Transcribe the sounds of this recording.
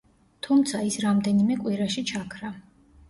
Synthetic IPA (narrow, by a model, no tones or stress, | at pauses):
t̪ʰumt̪sʰaisɾamd̪ɛnimɛkʼwiɾaʃit͡ʃʰakʰɾa